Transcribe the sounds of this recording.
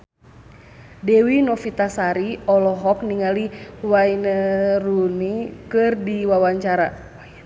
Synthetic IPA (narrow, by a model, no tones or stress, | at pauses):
dɛwinɔfit̪asaɾiɔlɔɦɔkniŋaliwainərunikɨrdiwawaɲt͡ʃaɾa